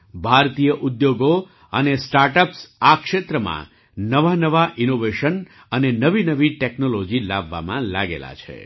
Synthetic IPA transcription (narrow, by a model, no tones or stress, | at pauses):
bʱaɾt̪ijəʔud̪joɡo | ənesʈaɾʈəpsakʃet̪ɾəmã̰ | nəʋanəʋaʔinoʋeʃən | ənenəʋinəʋiʈeknolod͡ʒilaʋːa̰mãla̰ɡḛla̰t͡ʃʰḛ